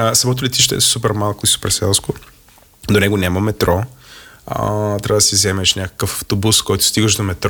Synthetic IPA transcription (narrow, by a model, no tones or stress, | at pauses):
sɐmɔt̪̬ʊlɛt̪iʃt̪ɛ̰supɛɾmalˠkʊisu̥pɛɾsɛlˠskʊ | d̪onɛɡʊnʲaməmɛt̪ɾɔ̰ | t̪ːɾʲavəd̪ɐsizɛmɛʃnʲakə̥kəfɐft̪obuskɔjt̪ʊ̥st̪iɡəʃd̪omɛt̪ɾ